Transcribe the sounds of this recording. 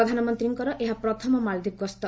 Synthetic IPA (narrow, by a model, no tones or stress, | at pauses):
ɔd̪ʱanɔmɔnt̪ɾiŋkɔɾɔʔeɦapɾɔt̪ʰɔmɔmald̪ikɡɔst̪ɔ